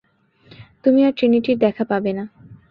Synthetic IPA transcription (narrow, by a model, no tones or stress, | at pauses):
t̪umiaɾʈɾiniʈiɾd̪ɛkʰapabena